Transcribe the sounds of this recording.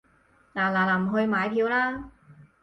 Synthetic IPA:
laː˨˩laː˨˩laː˨˩m̩˨˩ɦɵ˧ɥmaː˨˧jpʰiː˧wlaː˥

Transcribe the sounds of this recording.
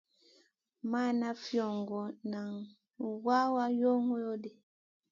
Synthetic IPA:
ma˦˨na˦fjɔ˨ŋɡɔ˨na˨ŋ | wa˦wa˦jo˦ŋɔ˦jo˦de˨

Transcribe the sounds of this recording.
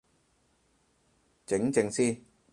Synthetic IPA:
t͡sɪ˨˥ŋt͡sɪ˧ŋsiː˥n

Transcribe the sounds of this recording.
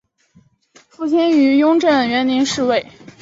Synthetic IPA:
fu˥˩t͡ɕʰɛ˥ny˧˥jʊ˥ŋʈ͡ʂə˥˩nɥɛ˧˥nni˧˥nʂɻ̩˥˧we˥˩ɪ

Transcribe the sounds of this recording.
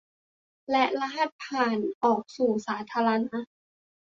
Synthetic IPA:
lɛ˦˥ʔla˧˥ɦa˧˩t̪̚pʰaː˨˩nʔɔː˨˩k̚suː˨˩saː˩˦t̪ʰaː˧ɾa˧na˧˥

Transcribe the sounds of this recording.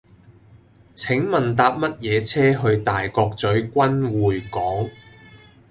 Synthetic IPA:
t͡sʰɪ˨˥ŋmɐ˨˩nt̪aː˧p̚mɐ˥t̚jɛː˨˧t͡sʰɛː˥ɦɵ˧ɥt̪aː˨˩jkɔː˧k̚t͡sɵ˨˥ɥkʷɐ˥nwuː˨˩jkɔː˨˥ŋ

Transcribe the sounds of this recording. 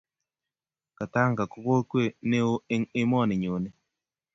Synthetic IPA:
ka˨ta˦ŋka˨ko˦ko˦kwe˦˨ne˦o˦ŋɪ˦mɔ˦˨nɪ˨ɲo˨ne˦

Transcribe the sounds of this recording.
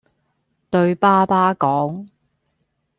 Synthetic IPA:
t̪ɵ˧ɥpaː˥paː˥kɔː˨˥ŋ

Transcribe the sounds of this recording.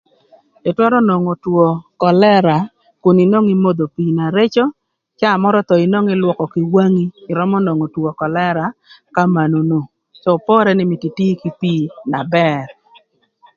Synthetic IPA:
ɪ˨twɛ˦ɾɔ˦no˨ŋo˨two˨kɔ˨lɛ˦ɾa˨ | kʊ˨ni˨no˦ŋɪ˦mo˦d̪o˨piː˨na˨ɾe˦t͡ʃo˦ | t͡ʃa˦˨mɔ˦ɾɔ˦t̪ɔ˨ɪ˨no˦ŋɪ˦lwɔ˨kɔ˨kɪ˨wa˦ŋiː˦˨ɾɔ˦mɔ˦no˨ŋo˨twɔ˨kɔ˨lɛ˦ɾa˨ka˦ma˨no˨no˨ | so˨pɔ˦ɾɛ˦nɪ˦mɪ˨ti˨ti˦ki˦pi˦na˨bɛ˦ɾ

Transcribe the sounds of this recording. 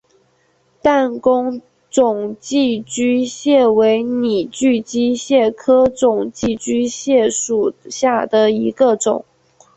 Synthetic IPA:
t̪a˥˩nkʊ˥ŋ | t͡sʊ˨˩ŋt͡ɕi˥˩t͡ɕy˥ɕjɛ˥˩we˧˥ɪni˨˩t͡ɕy˥˩t͡ɕi˥ɕjɛ˥˩kʰɤ˥ʈ͡ʂʊ˨˩ŋt͡ɕi˥˩t͡ɕy˥ɕjɛ˥˩ʂu˨˩ɕja˥˩d̪ə˩i˧˥ɡə˧ʈ͡ʂʊ̰˨˩˦ŋ

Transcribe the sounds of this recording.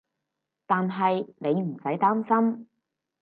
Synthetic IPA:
t̪aː˨nɦɐ˨jne˨˧jm̩˨˩sɐ˨˥jt̪aː˥msɐ˥m

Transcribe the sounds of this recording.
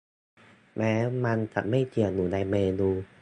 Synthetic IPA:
mɛ˧˨ma˧nt̪ʰa̰˧˨me˦˧˩t͡ɕi˧˩ə˨nu˨˩˨na˧me˧nu˧˩

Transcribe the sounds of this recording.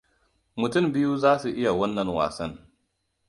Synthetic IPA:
mʊ˨tʊ˦˨mbɪ˦ju˦zaː˦su˨ʔɪ˦ja˨wɐ˦nːɐ˨ŋwa̰ː˨sɐ˦n

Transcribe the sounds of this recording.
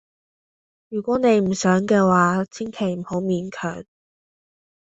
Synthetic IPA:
jyː˨˩kʷɔː˨˥ne˨˧jm̩˨˩sœː˨˥ŋkɛː˧waː˨˥t͡sʰi˥ŋkʰe˨˩jm̩˨˩ho˨˥wmiː˨˧nkʰœ̰ː˨˩ŋ

